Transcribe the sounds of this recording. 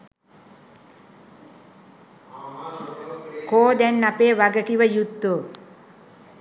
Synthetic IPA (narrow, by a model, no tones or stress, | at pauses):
koːd̪ɛnːapeːʋaɡəkiʋəjut̪ːo